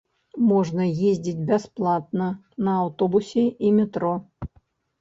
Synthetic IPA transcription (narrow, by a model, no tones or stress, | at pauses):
mɔʐnɐjezʲd͡zʲit͡sʲbʲasplˠat̪̚nɐ | nɐːwt̪ɔbusʲɛʔimʲɛt̪ɾɔ